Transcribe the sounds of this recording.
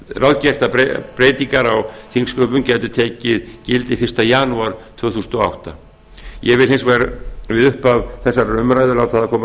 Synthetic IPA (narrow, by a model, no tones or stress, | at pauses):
rawðcɛr̥t̪apɾpɾeːjt̪iŋkaɾawθiŋskœːpʏmcɛːjt̪ʏt̪ʰeːcɪðcɪlt̪ɪfɪr̥st̪ajaːnuaɾ̥t̪ʰv̥œːθusnt̪ɔa̰wht̪a | jɛvɪlhensvɛɾavɪðʏhpavθɛsːaɾrœmɾaːjðʏlawt̪aaðakʰɔːma